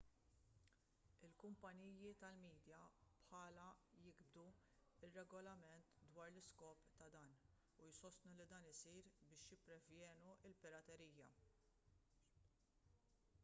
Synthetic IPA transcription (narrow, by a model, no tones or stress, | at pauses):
ɪlkʊmpɐnijit̪ɐlmiːd̪jɐpħɐːlɐjɪɡbd̪uɪrːɛɡɔlɐmɛnt̪d̪wɐːɾlɪskɔːpt̪ɐd̪ɐːn | ujsɔst̪nulid̪ɐːnɪsiːɾbɪːʃjɪpːɾɛvjɛːnuɪlpɪɾɐt̪ɛɾiːjːɐ̰